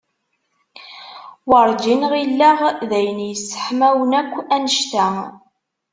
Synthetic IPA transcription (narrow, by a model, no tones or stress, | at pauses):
wəɾˤd͡ʒinʁilːæʁðæjənjəsːə̥ħmæwənækʷːænəʃt̪æ